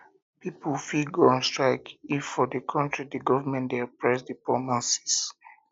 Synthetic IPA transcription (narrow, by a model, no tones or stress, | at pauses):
pipəfilɡɔ̃nstɹaɪkifɔdəkʰɔ̃ntɹidəɡɔvəmɛ̃ndeapʰɹɛs̬dipɔmãsi̥s